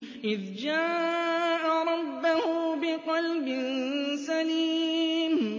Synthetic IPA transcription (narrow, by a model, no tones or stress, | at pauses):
ʔɪðd͡ʒaːʔaɾˤɑbːʊhʊbɪqɑlbɪnsaliːm